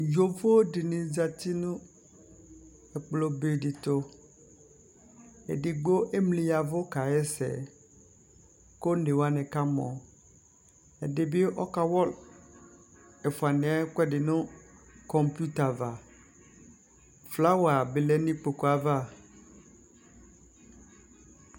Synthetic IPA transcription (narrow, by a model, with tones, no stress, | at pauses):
d͡ʒo˦vo˦o˦dɪ˨nɪ̃˨d͡za˨t̪i˦nʊ̃˦ | ɛ˨k͡plo˨be˨dɪ˨t̪o˨ | ɛ̰˨dɪ˨ɡ͡bo˦ʔe˦mlĩ˨a˨vʊ˦ka˨jɛ˦sɛ̰˨ | ko˦n̩˦e˨wa˦nɪ̃˨ka˦mɔ̰̃˨ | ɛ˨dɪ˨bɪ˦ʔɔ˦ka˨wɔ˦l | ɛ˨fu˨a˨nɪ̃˨a˦kɛ˦dɪ˨nʊ̃˦kɔ˨mpu˦ta˨va˨ | fla˦wa˨bɪ˨lɛ˦nĩ˦k͡po˨ko˨a˨va˦˨